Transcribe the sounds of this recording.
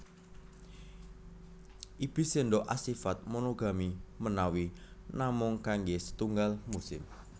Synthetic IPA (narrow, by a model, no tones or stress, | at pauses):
ʔib̥i̤seɳɖɔʔasifat̪̚monoɡa̤mimənawinamʊŋkaŋɡesə̥t̪uŋɡalmusɪ̰m